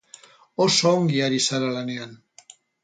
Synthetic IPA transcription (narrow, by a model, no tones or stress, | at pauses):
osoːŋɡiaɾisaɾalane̞an